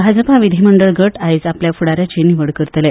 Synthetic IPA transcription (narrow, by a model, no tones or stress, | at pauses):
bʱad͡zəpaʋid̪ʱiməɳɖəɭɡəʈajsapljafuɽaɾjat͡ɕeniʋəɽkəɾt̪le